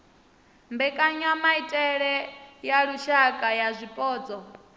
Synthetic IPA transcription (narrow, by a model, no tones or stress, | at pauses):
mbɛkʼaɲamaitʼɛɺɛjaɺuʃakʼajazʷipʼɔːd͡zɔ